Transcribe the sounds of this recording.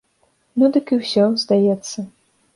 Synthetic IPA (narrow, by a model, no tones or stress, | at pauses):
nud̪ɨkɨwsʲɔzd̪ajɛt̪sːɐ